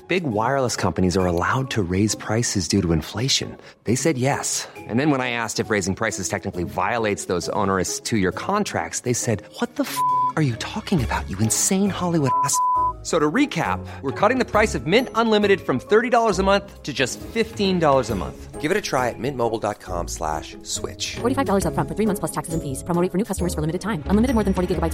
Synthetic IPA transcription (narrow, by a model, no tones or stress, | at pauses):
b̥ɪɡwaɪə˞lˠəskʰʌ̃mpɨnizə˞əla̰ʊd̚tʰɨɹeɪz̥pʰɹ̥aɪsɨzdʉɾəɨ̃ɱfleɪʃɨ̰̃n | ðeɪsɛd̚jɛsʔɨ̰̃nðɨ̃nwə̃ñaɪæstɨfɹeɪzɪ̃ŋpʰɹ̥aɪsɨz̥tʰɛk̚nɨkliva̰ɪəleɪtsðoʊzõ̰ʊnə˞ɨstʰɨjə˞kʰɑ̃ntʰɹ̥æ̰k̚tsðeɪsɛd̚wʌt̪̚ðəfʌə˞jɨtʰɔkɪ̃ŋɨbaʊt͡ʃɨɨ̃nsẽɪ̃nhɑlˠiwʊɾæssoʊɾəɹikʰæ̰p̚wəɹkʰɔɾɪ̃ŋðɨpʰɹ̥aɪsʌvmɪ̃ntə̃nlɪ̃mɨɾɨd̥fɹʌ̃mθɜ˞ɾidɔlˠə˞zəmʌ̃nθtʰɨd͡ʒʌstfɪftĩndɔlˠə˞zəmʌ̰̃nθɡ̥ɪvɨɾɨtʰɹ̥aɪɨt̚mɪ̃nmoʊbl̩ˠdɑ̰t̚kʰɑ̰̃mslæ̰ʃ | swɪ̰t͡ʃfɔɹɾifaɪvdɔlˠə˞zʌfɹʌ̃nfə˞θɹimʌ̃θpʰlʌstʰæksɨzɨ̃nfiz̥pʰɹ̥əmoʊɾɪ̃fə˞nʉkʰʌstəmə˞z̥fə˞lɪ̃mɨɾɨd̚tãɪ̃mə̃nlɪmɨɾɨd̚mɔɹðɨ̃n̩fɔɹɾiɡɪɡəbaɪt